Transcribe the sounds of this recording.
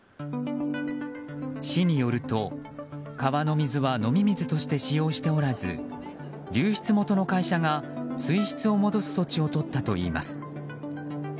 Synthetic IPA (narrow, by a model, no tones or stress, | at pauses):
ɕiɲ̟ijo̞ɾɯ̟t̪o̞kaβano̞mʲizɨβano̞mʲimʲizɨt̪o̞ɕi̥t̪e̞ɕijo̞ːɕi̥t̪e̞o̞ɾazɨ̰ | ɾʲɨːçi̥t͡sɨmo̞t̪o̞no̞kaiɕaŋasɨiçi̥t͡sɨo̞mo̞d̪o̞sɨ̥so̞t͡ɕio̞t̪o̞t̪ːat̪o̞̰ḭːma̰sɨ̥